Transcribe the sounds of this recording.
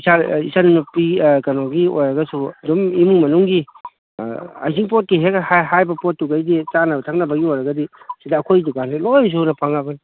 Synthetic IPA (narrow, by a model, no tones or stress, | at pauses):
isaḭsanunupikɐnoɡiojɾɐɡɐsuɐdumimuŋmɐnuŋɡi | a̰jziŋpot̚kiɦekhahajbɐpot̚ːuɡajdit͡ʃanɐbɐtʰak̚nɐbɐɡiojɾɐɡɐdisidaːkʰojdukanelojs̬uhunɐpʰaŋaban